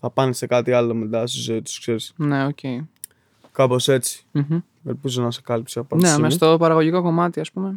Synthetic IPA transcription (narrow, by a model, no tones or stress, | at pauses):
θɐpɐnese̞kɐt̪iɐlo̞mid̪ɐsuzet̪u̥skse̞ɾisne̞oce̞i | kɐpo̞se̞t͡si̥m̩ç̩ | elpiz̬onɐse̞kɐlipseɐpɐnnemest̪opɐɾɐɣoʝiko̞ko̞mɐt̪iɐspume̞